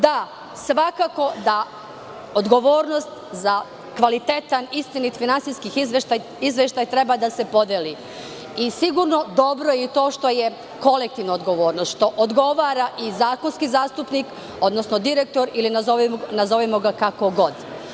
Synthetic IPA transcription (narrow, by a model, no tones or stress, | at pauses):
d̪a | sʋakako̞d̪a | od̪ɡo̞ʋoːɾno̞st̪za | kʋalit̪et̪anist̪init̪finantsijskixizt̪aj | izʋeʃt̪ajt̪ɾebad̪ase̞po̞d̪eli | isiɡuɾno̞d̪obɾojet̪o̞ːʃt̪o̞je̞ | ko̞lek̚t̪iʋnood̪ɡo̞ʋo̞ːɾnost̪ʃt̪o̞ʔod̪ɡo̞ʋaːɾaʔizaːkonskizaːst̪upnik | o̞d̪nosnod̪iɾek̚t̪o̞ɾilinaonazo̞ʋemoɡakako̞ɡo̞d̪